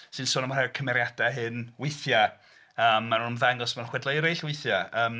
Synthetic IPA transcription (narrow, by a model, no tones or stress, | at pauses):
sɨnsʊːnəmrawkʰəmɛɾjad̥aɦɨnwɪθja | əːmːanunənvaŋɔsmanχwɛdlˠajɾejɬwɪjθjaəːm